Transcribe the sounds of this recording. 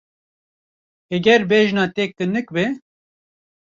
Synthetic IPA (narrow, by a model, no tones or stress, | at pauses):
ɛɡɛɾbeːʒnɑːt̪eːk̚t̪ɨnɨk̚bɨ